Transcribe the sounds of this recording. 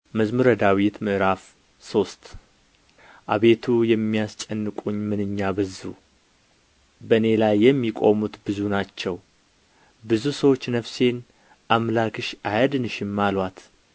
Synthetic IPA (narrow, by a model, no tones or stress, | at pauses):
məzmɨɾəd̪awit̪mɨʔɾaf | so̞st̪ʰ | ʔaβe̞t̪ʰujɛmːijast͡ʃʼɛnːɨkʼuɲːmɨnɨɲːabɨzu | bəne̞lajːɛmːikʼo̞mut̪bɨzunat͡ʃːɛw | bɨzusəwo̞t͡ʃːnəfse̞n | ʔamlakʰɨʃʔajəd̪ɨnɨʃɪmːalwat̪